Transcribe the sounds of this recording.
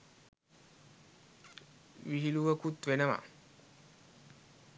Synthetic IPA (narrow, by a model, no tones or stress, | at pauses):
ʋiɦiluʋɐkut̪ʋenɐʋa̰